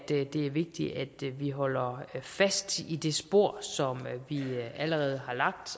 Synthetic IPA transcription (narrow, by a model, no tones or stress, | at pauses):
d̥e̝æɐʋe̝ɡ̥̚d̥iʔæd̥ʋiɦɒ̽l̰ɐfæsd̥id̥e̝sb̥o̝ɐ̰sɒ̽mʋiæləʁɛːð̞̩ˠɦɑ̈lɑ̈ɡ̥̚d̥